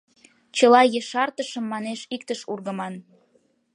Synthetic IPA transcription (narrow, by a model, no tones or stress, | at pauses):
t͡ɕəlɑjeʃɑrt̪əʃəmːɑneʃikt̪əʃurɣəmɑn